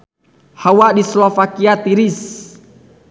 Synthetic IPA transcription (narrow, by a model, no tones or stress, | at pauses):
hawadislɔfakiat̪iɾis